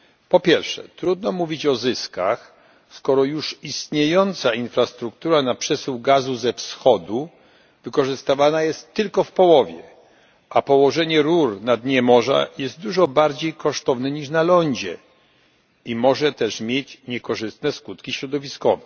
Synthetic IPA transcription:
pɔpʲjɛɾfʂɛ̰t̪ɾud̪nɔmuvʲit͡ɕɔzɘskax | skɔɾɔjuʂist̪ɲejɔnt̪sainfɾast̪ɾukt̪uɾanapʂɛswɡazuzɛfsxɔd̪u | vɘkɔʐɘst̪avanajɛst̪ːɘlkɔfpɔwɔvʲjɛ | ʔapɔwɔʐɛɲɛɾuɾnad̪ɲɛmɔʐa̰jɛst̪̚d̪uʐɔbaɾd͡ʑejkɔʂt̪ɔvnɘɲiʂnalɔɲd͡ʑɛ̰ | imɔʐɛt̪ɛʂmʲjet͡ɕɲɛkɔʐɘst̪nɛskut̪kʲiɕɾɔd̪ɔvʲiskɔvɛ

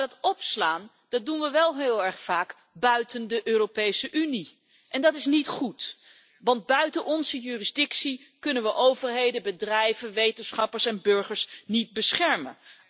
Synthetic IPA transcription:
dɑtɔpslaːn | dɑt̚dunʋəʋɛlˠɦɪːlˠɛɹχfaːk | bœɥtəndəʔøːropejsəʔyni | ʔɛndɑtɪsnitχut | ʋɑnd̚bœɥtənʔɔnzəjyːrizdɪksi | kɵnənʋəʔowvəɹɦejdəbədrɛjvənʋejtənsχɑpəɹsɛnbɵɹχəɹsnid̚bəsχɛɹmə̰n

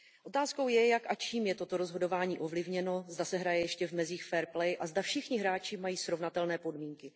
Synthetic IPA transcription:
ʔo̞t̪aːsko̞wjɛjakʔat͡ʃiːmjɛt̪o̞t̪o̞ɾo̞zɦo̞do̞vaːɲiːʔo̞vlɪvɲɛno̞zdasɛɦɾajɛjɛʃcɛvmɛziːxfɛːɾplɛjʔazdafʃɪxɲɪɦɾaːt͡ʃɪmajiːsɾo̞vnat̪ɛlnɛːpo̞dmiːŋkɪ

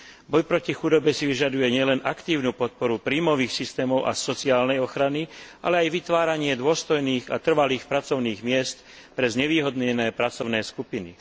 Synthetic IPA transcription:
bɔjpɾɔcixud̪ɔbɛsiʋiʒad̪ujɛɲɪɛlɛnʔakt̪iːʊnuːpɔt̪̚pɔɾupɾiːmɔʋiːxsist̪ɛːmɔʊʔa̰sɔt͡siaːlnɛjɔxɾaniʔa̰lɛajʋit̪ʋaːɾaɲɪɛd̪ʊɔst̪ɔjniːɣa̰t̪r̩ʋaliːxpɾat͡sɔʊniːɣmɪɛst̪ | pɾɛzɲɛʋiːɦɔd̪ɲɛnɛːpɾat͡sɔʊnɛːskupinḭ

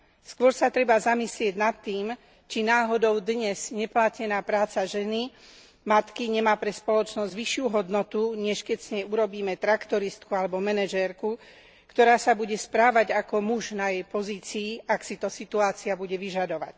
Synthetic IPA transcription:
skʊɔɾsat̪ɾɛbazamislɪɛɟnat̪ːiːm | t͡ʃinaːɦɔd̪ɔʊd̪ɲɛzɲɛplacɛnaːpɾaːt͡saʒɛni | mat̪kiɲɛmaːpɾɛspɔlɔt͡ʃnɔzɟʋiʃɪuɦɔd̪nɔt̪uɲɛʃkɛcsɲɛjuɾɔbiːmɛt̪ɾakt̪ɔɾist̪̚kualɛbɔmɛnɛʒɛɾku | kt̪ɔɾaːsabuɟɛspɾaːʋaɟakɔmuʒnajɛjpɔziːt͡siːaksit̪ɔsit̪uaːt͡siabuɟɛʋiʒad̪ɔʋa̰c

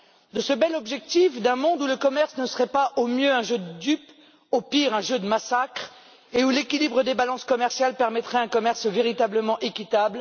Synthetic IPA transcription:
d̪əsəbɛlɔbʒɛk̚t̪ifd̪ɛ̃mɔ̃d̪uləkɔmɛʁsnəsəʁɛpaʔomjøɛ̃ʒød̪əd̪yp | opiʁɛ̃ʒød̪əmasakχ | eulekʲilibʁəd̪ebalɑ̃skɔmɛʁsjalpɛʁmɛt̪χɛɛ̃kɔmɛʁsveʁit̪abləmɑ̃ʔekʲit̪abl

